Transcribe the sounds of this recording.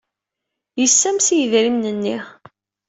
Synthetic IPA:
jəsːæmsijəðɾimnənːi

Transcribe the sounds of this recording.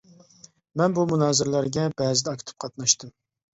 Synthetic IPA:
mɛnbumunɑːzɨɾlˠæɾɡʲɛbɛːzɪd̪ɛɑkʰʲt̪ʰɨ̥p̚qʰɑt̪nɑʃt̪ɨm

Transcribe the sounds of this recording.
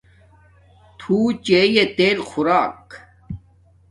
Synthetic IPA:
t̪ʰuːt͡ɕejet̪eːlxuɾaːk

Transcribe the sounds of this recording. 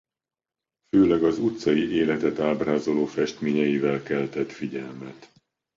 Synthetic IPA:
føːlɛɡɒzut̪sɒjiʔeːlɛt̪ɛt̪aːbraːzo̞loːfɛʃt̪meːɲɛjivɛlkɛlt̪ɛt̪fiɟɛlmɛt̪

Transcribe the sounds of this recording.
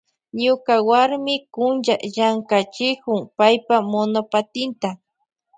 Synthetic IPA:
ɲʊkawaɾmɪkʊnʒajaŋkat͡ʃɪkʊŋpajpamonopat̪ɪnt̪a

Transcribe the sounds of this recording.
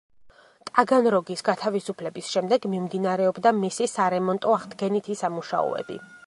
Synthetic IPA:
t̪ʼaɡanɾɔɡisɡat̪ʰavisupʰlɛbisʃɛmd̪ɛɡmimd̪inaɾɛɔbd̪amisisaɾɛmɔnt̪ʼɔaʁd̪ɡɛnit̪ʰisamuʃa̰ɔ̰ɛ̰bḭ

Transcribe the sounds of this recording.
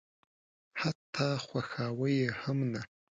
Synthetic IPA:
ħatʰːaːχʷaxaːwajehəmna

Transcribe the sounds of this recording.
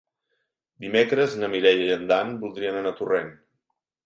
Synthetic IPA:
d̪imekɾəznəmiɾɛʎəʎənd̪anbulˠd̪ɾiənənat̪uren

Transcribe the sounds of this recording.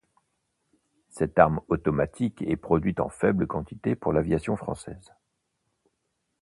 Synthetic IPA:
sɛt̪aʁmɔt̪ɔmat̪ʰikɛpχɔd̪ɥit̪ɑ̰̃fɛbləkɑ̃t̪it̪epuʁlavjasjɔ̃fχɑ̰̃sɛ̰z

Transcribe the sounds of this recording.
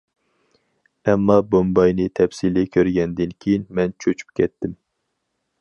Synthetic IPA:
ɛmːɑbombɑjnɨt̪ʰɛpsilɪkʲʰøɾɡʲɛnd̪ɪnkʲʰejinmɛnt͡ʃʰøt͡ʃʰy̥p̚kʲʰɛt̪ːɪm

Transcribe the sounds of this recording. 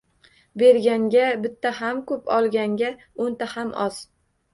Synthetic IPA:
be̞ɾɡʲaŋɡʲabɪt̪ʰːaɦamkʰɵpʰɒlˠɡʲaŋɡʲa | ont̪ahamʔɒz̥

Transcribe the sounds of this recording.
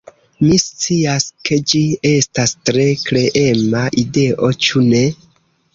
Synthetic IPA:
mist͡siaskʰe̞d͡ʒie̞stastɾe̞kle̞ʔe̞maʔide̞ʔo̞t͡ʃune̞

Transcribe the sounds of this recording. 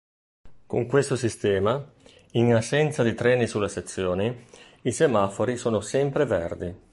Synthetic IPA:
ko̰ŋkwest̪osist̪ɛːma | iŋasːɛnt̪sad̪it̪ɾɛːnisulːaset̪sːjoːni | isemafoɾisoːnosɛmpɾevɛrd̪i

